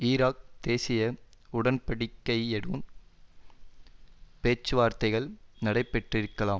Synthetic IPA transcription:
iːɾaːk̚d̪̥eːsɪjɐʊɽɐnpɐɽɪkːɐɪɛɽɯn | peːt͡ʃːɯʋaːɾt̪ɐɪɣɐɭnɐɽɐɪpːɛʈrɪɾɯkːɐlaːm

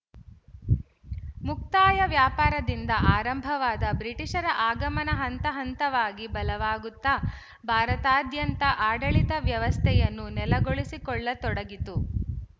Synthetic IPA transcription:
muk̚t̪aːjɐʋjaːpaːɾɐd̪ind̪ɐʔaːɾɐmbʱɐʋaːd̪ɐbɾiʈiʂɐɾɐʔaːɡɐmɐnɐɦɐnt̪ɐɦɐnt̪ɐʋaːɡibɐlɐʋaːɡut̪ːɐ | bʱaːɾɐt̪aːd̪jɐnt̪ɐʔaːɖɐɭit̪ɐʋjɐʋɐst̪ʰɛjɐnːunɛlɐɡoɭisikɔɭːɐt̪ɔɽɐɡit̪u

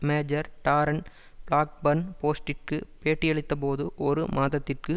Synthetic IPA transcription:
meːd͡ʒɐɾʈaːɾɐn | bɭaːk̚bɐnpoːsʈɪrkɯpeːʈːɪjɛɭɪt̪ːɐpoːðɯʔɔɾɯmaːðɐt̪ːɪrkɯ

